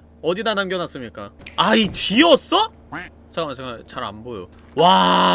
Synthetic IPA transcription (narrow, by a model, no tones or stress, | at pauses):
ʌdidanamɡjʌnas͈ɯmɲik͈a̰ait͡ɕiʌs͈ʌ | t͡ɕat͡ɕʰeŋat͡ɕaɾa̰nbojo | wa